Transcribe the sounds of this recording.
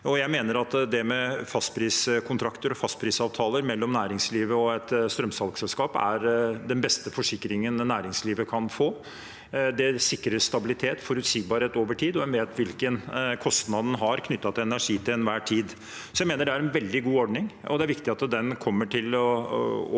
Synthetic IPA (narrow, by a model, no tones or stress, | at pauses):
ɔjæɪmeːnəɾɑt̪d̪ɛmɛfɑst̪pʰɾiːskʰʊnt̪ʰɾɑkt̪əɾɔfɑst̪̚pʰɾiːsɑːʋt̪ʰɑːləɾmɛlːɔmnæːɾɪŋsliːʋəɔɛt̪st̪ɾœmsɑlɡsɛlskɑːpæ̰ɾd̪ɛnbɛst̪əfɔʂɪkːɾɪŋənnæːɾɪŋsliːʋəkʰɑnfoː | d̪ɛsɪkːɾəʂt̪ɑbɪlɪt̪ʰeːt̪fɔɾʉt̪siːɡ̚bɑɾheːt̪oːʋəʈʰiːd̪ɔʋɛnʋeːt̪ʋɪlkənkʰɔst̪nɑd̪n̩ɦɑɾkʰnʏt̪ːɑt̪ʰɪɛnæʂiːt̪ʰɪlɛnʋæːʈʰiːd̪ | sɔjæɪmeːnəɖɛæɾɛnʋɛld̪ɪɡuːɔɖnɪŋɔd̪ɛæɾʋɪkt̪ɪɑt̪d̪ɛnkʰɔmːəʈʰɪlɔ